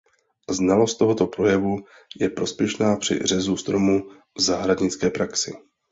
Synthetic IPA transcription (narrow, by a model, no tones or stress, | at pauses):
znalo̞st̪t̪o̞ɦo̞t̪o̞pɾo̞jɛvu | jɛpɾo̞spjɛʃnaːpr̝̥ɪ̰rɛzust̪ɾomu | vzaːɦɾadɲɪt͡skɛːpɾaksɪ